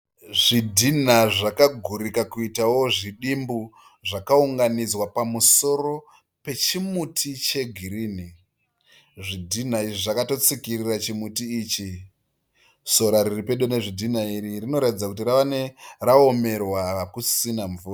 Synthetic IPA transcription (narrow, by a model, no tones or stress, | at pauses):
ʐidʱin̤aʐakaɡʱuɾikakuitawo̞ʐiɗimbu | ʐakauŋɡanid͡zwapamuso̞ro̞ | pe̞t͡ʃimutʰit͡ʃe̞ɡʱiɾiːni | ʐidʱin̤aiʐiʐakato̞t͡sikirirat͡ʃimutiːt͡ʃi | so̞ɾaɾiripeɗone̞ʐidʱin̤aiɾirino̞ɾatid͡zakut̬iɾaʋane̞raome̞rwakusinaɱvuːra